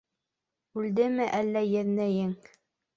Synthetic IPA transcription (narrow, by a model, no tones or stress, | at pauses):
ʉld̪ɘmɘʔælːæjæðnæjɘŋ